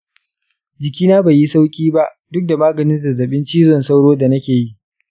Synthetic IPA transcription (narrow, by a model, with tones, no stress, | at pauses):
d͡ʒɪ˨kʲiː˦naː˦ba˨jːi˦sa˦wkʲʼiː˦ba˦ʔ | dʊ˦k̚da˨maː˦ɡɐ˨nɪ˦nzɐ˨zɐ˨ɓɪ˦nt͡ʃiː˦zɔ˨nsa˦wɽoː˦da˨nɐ˦kʲeː˨ji˦ʔ